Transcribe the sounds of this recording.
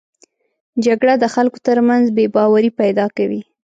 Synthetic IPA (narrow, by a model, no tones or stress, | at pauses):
d͡ʒaɡɽad̪əxalko̥t̪əɾmanzbebɑwaɾipajd̪ɑkawi